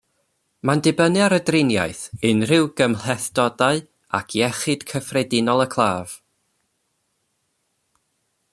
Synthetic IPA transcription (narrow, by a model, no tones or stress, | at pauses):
mandɪbənɨaɾədrɪnja̰ɨθɨnr̥ɪwɡ̥əmlɛθd̥ɔdaɨ | akʰjɛχɨd̥kʰəfrɛdɪnɔlˠəkʰlˠaːv̥